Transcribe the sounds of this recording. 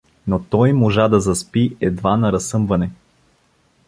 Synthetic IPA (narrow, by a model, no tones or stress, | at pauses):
not̪ɔjmoʒad̪ɐzɐspiɛd̪vanɐɾɐsɤmvɐnɛ